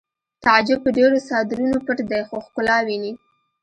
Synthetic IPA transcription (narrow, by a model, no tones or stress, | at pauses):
t̪ad͡ʒʊpəɖeɾosɑd̪ɪɾunopəʈd̪ajxoxkʊlɑwini